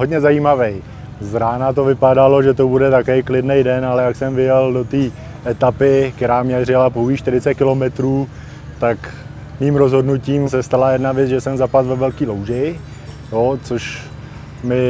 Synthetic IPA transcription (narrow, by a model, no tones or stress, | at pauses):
ɦodɲɛzajiːmavɛj | zɾaːnat̪o̞vɪpadalo̞ʒɛt̪o̞budɛt̪akoɛjklɪdnɛjdɛnalɛjaksɛmvɪjɛldo̞t̪iː | ʔɛt̪apɪkt̪ɛɾaːmɲɛrɪlapowjiːʃt̪ɪɾɪt͡sɛt̪̚kɪlo̞mɛt̪ɾuː | t̪ak | miːmɾo̞zɦo̞dnuciːms̬ɛst̪alajɛdnavjɛt͡sʒɛsɛmzapat̪vɛvɛlkiːlowʒɪ | jot͡soʃ | mɪ